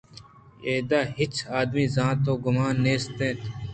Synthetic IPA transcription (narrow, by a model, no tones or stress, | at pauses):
eːd̪aːɦɪt͡ʃaːd̪miːzãːnt̪oːɡʊmaːnːeːst̪ẽːt̪ː